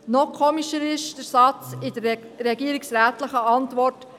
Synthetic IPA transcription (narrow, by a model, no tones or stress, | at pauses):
nɔkʰɔːmiʃəɾɪʃd̥əɾsɑt͡sɪd̥əɾː | ɛɡiəɾiksɾæːtləχəɑntʋɔrt